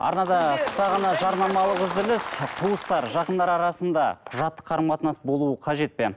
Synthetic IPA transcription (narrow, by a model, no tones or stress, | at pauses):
ɑ̰ɾnɑd̪ɑt̪ʰʊ̥st̪ɑʁɑnɑʒɑɾnɑmɑlˠəqʏzd̪ɪlɪsq̪ʰuwəst̪ɑɾʒɑqənd̪ɑɾɑɾɑsənd̪ɑ̰qʰʊʒɑt̪ːə̥qʰːɑɾəmqɑt̪nɑsbo̞lˠuəqʰɑʒe̞t̪̚pe̞n